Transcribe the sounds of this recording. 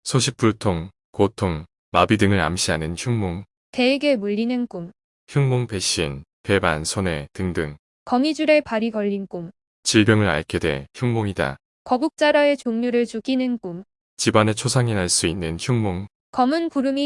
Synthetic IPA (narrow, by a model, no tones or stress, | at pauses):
sʰoɕʰip͈̚uɭtʰoŋ | kotʰoŋ | mabidɯŋɯɾa̰mɕʰianɯnçʰuŋmoŋ | te̞eɡe̞muʎːinɯnk͈um | çuŋmoŋpe̞ɕ͈in | pe̞ba̰nsʰone̞tɯŋdɯŋ | kʌŋid͡ʑuɾe̞paɾikʌʎːink͈um | t͡ɕiɭbjʌŋɯɾa̰ɭkʰede̞̰çjuŋmoŋida̰ | kʌbuk̚t͡ɕ͈aɾae̞t͡ɕoŋɲuɾɯɭt͡ɕuɡinɯnk͈um | t͡ɕibane̞t͡ɕʰosʰaŋenaɭs͈uinːɯnçʰuŋmoŋ | kʌmunkuɾɯmi